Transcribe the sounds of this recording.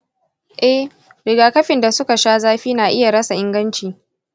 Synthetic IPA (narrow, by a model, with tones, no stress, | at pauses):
ʔɛ˦h | ɾɪ˨ɡaː˨kɐ˦ɸɪ˨nda˨sʊ˦ka˨ʃaː˦zaː˦ɸiː˦naː˨ʔɪ˦ja˨ɽɐ˦sa˨ʔɪ˦ŋɡɐ˦nt͡ʃiː˨